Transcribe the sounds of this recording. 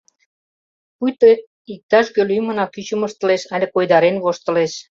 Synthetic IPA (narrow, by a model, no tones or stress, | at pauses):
pujt̪ə | ik̚t̪ɑʃɡølyjmə̆nɑkyt͡ɕə̆mɤ̆ʃt̪ɤ̆leʃɑlʲĕkojd̪ɑɾenβoʃt̪ɤ̆leʃ